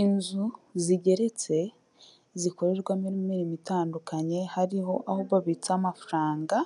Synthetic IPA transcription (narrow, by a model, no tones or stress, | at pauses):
inzuziɟe̞ɾe̞t͡se̞ | ziko̞ɾe̞ɾɡwamiɾimmiɾimitaːndukaɲe̞haɾiho̞ʔahoβaβit͡samafuɾaːŋɡa